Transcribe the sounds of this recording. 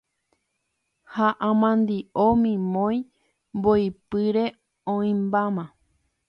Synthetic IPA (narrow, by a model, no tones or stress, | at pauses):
haʔãmãnd̪iʔomĩmõj̃ | mboipɨɾe | õĩmbamã